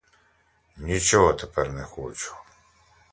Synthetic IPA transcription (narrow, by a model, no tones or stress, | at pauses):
nʲit͡ʃɔɦɔt̪ɛpɛrnɛxɔt͡ʃu̥